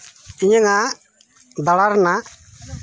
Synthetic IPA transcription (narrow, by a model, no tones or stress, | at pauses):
iɲɛŋa | d̪alaɾna